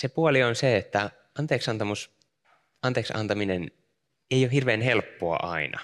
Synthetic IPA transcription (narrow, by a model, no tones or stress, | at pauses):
sepuolionseet̪ːæ | ɑnt̪eːksɑnt̪ɑmus | ɑnt̪eːksɑ̰nt̪ɑminen | eijohirʋeːnhelpːoɑ̰ʔɑinɑ̰